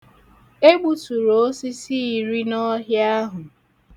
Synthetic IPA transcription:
e˦ɡ͡bu˦su˨ɾo˨o˦si˦si˦i˨ɾi˦nɔ˦ɦja˦ɦʊ˨

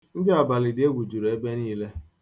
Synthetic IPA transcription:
ŋ̩˦de˦a˨ba˨lɪ˨dɪ˨˦e˦ɡʷu˨d͡ʒu˨ɾe˦be˦niː˦le˦

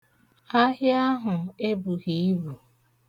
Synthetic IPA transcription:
a˦ɦja˦ɦʊ˨e˦bu˨ɣi˨i˦βu˨

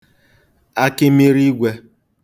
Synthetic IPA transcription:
a˦kɪ˦me˦ɾi˦ɡʷe˦

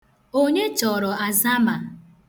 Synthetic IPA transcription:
o˦ɲe˦t͡ʃɔ˨ɾɔ˨a˨za˦ma˨

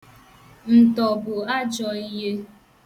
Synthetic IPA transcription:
n̩˨tɔ˨bʊ˨a˦d͡ʒɔ˨i˦ɦe˦

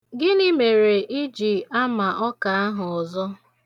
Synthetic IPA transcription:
ɡɪ˦ni˦me˨ɾe˨ʔi˦d͡ʒi˨a˦ma˨ʔɔ˦ka˨a˦ɦʊ˨ɔ˨zɔ˦

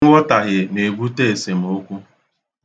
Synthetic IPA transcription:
ɔ˦ta˨ɣɪ˨ne˨ɡu˦te˦e˨se˨m̩˨o˦kʷu˦

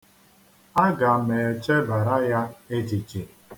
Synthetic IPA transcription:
a˦ɡa˨me˨t͡ʃe˦ba˨ɾa˦ja˦e˦d͡ʒi˨t͡ʃe˨

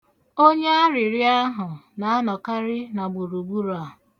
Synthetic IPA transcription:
o˦ɲe˦a˦ɾɪ˨ɾɪ˦a˦ɦʊ˨na˨a˦nɔ˨ka˦ɾɪ˦na˨ɡ͡bu˨ɾu˨ɡ͡bu˦ɾa˨

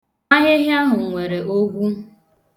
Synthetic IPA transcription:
a˦ɦɪ˦ɦɪ˦a˦ɦʊ˨ŋ̩˨ŋʷe˨ɾe˨ʔo˦ɡʷu˦

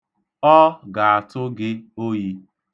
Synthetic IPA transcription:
ɔ˦ɡa˨a˨tʊ˦ɡɪ˦o˦ji˦

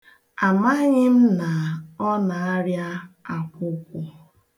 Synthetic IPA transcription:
a˨ma˦ɲɪ˦m̩˦na˨ɔ˦na˨a˦ɾja˦a˨kʷʊ˦kʷʊ˦

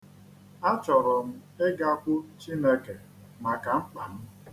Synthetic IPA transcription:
a˦t͡ʃɔ˨ɾɔ˨m̩˦ɪ˦ɡa˦kʷʊ˦t͡ʃi˦ne˦ke˨ | ma˨ka˨ŋ͡m̩˦k͡pa˨n̩˦

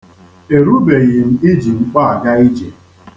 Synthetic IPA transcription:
e˨ɾu˦be˨ɣɪ˨m̩˦ɪ˦d͡ʒi˨ŋ͡m̩˦k͡pa˦a˨ɡa˦i˦d͡ʒe˨

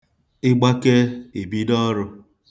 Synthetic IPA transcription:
ɪ˦ɡ͡ba˦ke˦e˨bi˦dɔ˦ɾʊ˧

